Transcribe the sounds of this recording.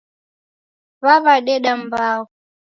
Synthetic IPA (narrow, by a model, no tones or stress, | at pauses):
βaβaɗɛɗambaːɣu